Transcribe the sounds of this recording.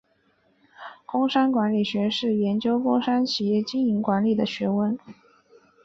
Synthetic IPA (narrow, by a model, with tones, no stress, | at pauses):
kʊ˥ŋʂa˥nkwa˧˥nli˨˩ɕɥɛ˧˥ʂɻ̩˥˩jɛ˧˥nt͡ɕjo˥ʊkʊ˥ŋʂa˥nt͡ɕʰi˨˩jɛ˥˩t͡ɕi˥ni˧˥ŋkwa˧˥nli˨˩d̪ə˩ɕɥɛ˧˥wə˥n